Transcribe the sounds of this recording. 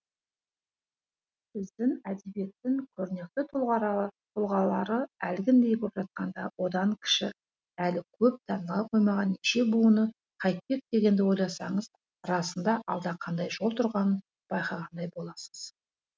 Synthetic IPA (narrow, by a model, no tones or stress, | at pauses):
sɪzd̪ɪŋæd̪e̞bje̞t̪ːɪŋkʲʰɵɾne̞k̚t̪ɪt̪ʰʁt̪ʰʊlˠʁɑlˠɑɾəælɡʲɪnd̪e̞jkʲʰɵpʒɑt̪̚qɑnd̪ɑ̰wo̞d̪ɑŋkʲʰɪ̥ʃɪ̰ | ælɪkʲʰɵp̚t̪ʰɑnəlˠɑqʰo̞jmɑʁɑnːiʃe̞buənə | qʰɑjt̪̚pe̞k̚d̪e̞ɡʲe̞nd̪ɪwo̞jlˠɑsɑɴəz | ɾɑsənd̪ɑʔɑlˠd̪ɑqʰɑnd̪ɑjʒo̞lˠt̪ʰʊɾʁɑnən | b̥ɑjqɑʁɑnd̪ɑjbo̞lˠɑsə̥z̥